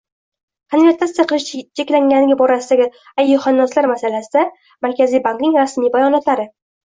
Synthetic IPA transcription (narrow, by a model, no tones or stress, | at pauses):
qʰanɾat̪ʰːast̪ijaqʰɨlˠɪʃt͡ʃʰekʲlaŋɡʲanɪɡʲabɒɾasɪd̪aɡʲɪ | ajːʊhanːɒslaɾmasalasɪd̪a | maɾkʲʰazijbaŋknɪŋɾasmijbajɒnɒt̪laɾɪ